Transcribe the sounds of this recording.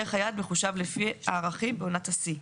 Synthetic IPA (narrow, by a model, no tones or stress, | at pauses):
eχajad̪me̞χuʃavlefia̰ːʁaχimbeonatasi